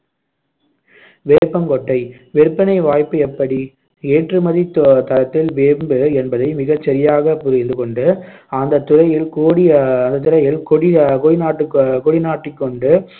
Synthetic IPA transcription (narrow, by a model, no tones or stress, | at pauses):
ʋeːɾɯpːɐmkɔʈːɐɪ | ʋɛɾɯpːɐnɐɪʋaːjpːɯɛpːɐɽi | eːʈrɯmɐðit̪t̪ːɐlɐt̪ːɪlʋeːmbɯɛnbɐðɐɪmɪɣɐt͡ʃːɛɾɪjaːɣɐpʊɾɪnd̪ɯkɔɳɖɯ | ɐnd̪ɐt̪ːʊrɐjɪlkoːɽiɐnd̪ɐt̪ːʊrɐjɪlkɔɽɪkɔɻɪnaːʈːɯkkɔɽɪnaːʈːɪkːɔɳɖɯ